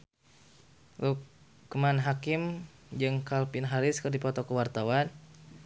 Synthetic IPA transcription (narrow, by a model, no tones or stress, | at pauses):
lukː | manɦakim | d͡ʒɨŋkalpɪnɦaɾɪskərdipɔt̪ɔkəwart̪awan